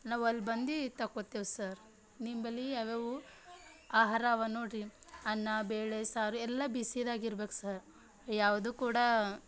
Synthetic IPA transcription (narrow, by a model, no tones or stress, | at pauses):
naːʋɐlːbɐnd̪it̪ɐkːot̪ːeʋsɐɾ | nimbɐliɐʋeʋu | aːɦaːɾaʋanoːɽiɐnːɐbeːɭesaːɾuɛlːɐbisid̪aːɡiɾbeːku̥sɐɾ | jaːʋd̪ukuːɽɐ